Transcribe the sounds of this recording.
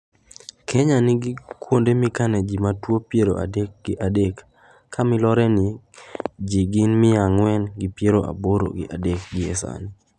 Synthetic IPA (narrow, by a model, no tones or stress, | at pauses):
kʰɛɲanɪɡɪkwondemɪkanɛd͡ʒimatwopjeɾo̰ʔa̰dek̚ɡ̥ɪʔadekːʰ | amɪlɔɾɛnɪ | d͡ʒiɡɪnmɪaŋwɛnɡɪpjeɾoʔa̰boɾo̰ɡɪ̰ʔa̰dek̚ɡɪɛsa̰ni